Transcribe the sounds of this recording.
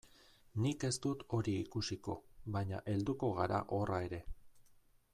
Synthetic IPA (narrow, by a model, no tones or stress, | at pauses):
nike̞st̪ut̪o̞ɾiːkusiko̞̰βaɲa̰ʔe̞ld̪uko̞ɣ̞aɾa̰ʔo̞rae̞ɾe̞